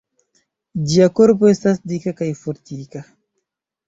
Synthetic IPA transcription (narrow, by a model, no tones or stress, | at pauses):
diakoɾpoest̪asd̪ikakajfoɾt̪ika